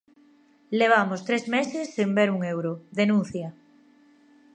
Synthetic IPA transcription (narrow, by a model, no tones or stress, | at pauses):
leβ̞amost̪ɾezmesesːembeɾuŋewɾoðenũn̟θja